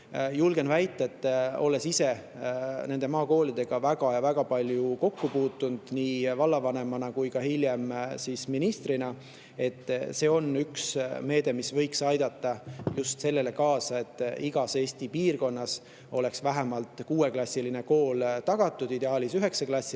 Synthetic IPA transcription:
julɡ̥e̞nvæjt̪ːˑɑet̪ˑːo̞̰le̞sise̞ | ne̞nd̪e̞mɑːko̞ːlid̪̥e̞ɡ̥ɑvæɡ̥ɑjɑvæɡ̥ɑpɑlʲjuko̞kːupuːt̪ːˑund̪̥niːvɑlːɑvɑne̞mɑnɑkujkɑhiljemsisminist̪rinɑ | e̞t̪ˑːse̞ːo̞nyksme̞ːd̪e̞misvɤ̞jksɑjd̪ɑt̪ːɑjust̪se̞lːe̞le̞kɑːsɑe̞t̪ːˑiɡ̥ɑseːst̪ipiːrko̞nːɑs | o̞̰le̞ksvæɦæmɑlt̪kuːe̞klɑsʲːiline̞ko̞ːlt̪ɑɡ̥ɑt̪ːˑud̪̥id̪e̞ɑːlisyɦe̞kseklɑsʲːi

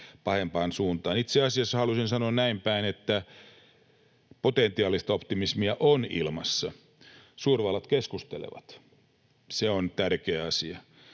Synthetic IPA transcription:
pɑhempɑːnsuːnt̪ɑːnit̪seɑsiɑsːɑhɑlusinsɑnoɑnnæimpæinet̪ːæ | pot̪ent̪iɑːlist̪ɑopt̪imismiæʔonḭlmɑsːɑ | suːrʋɑlːɑt̪keskust̪elḛʋɑ̰t̪ | seont̪ærkeæɑsiɑ

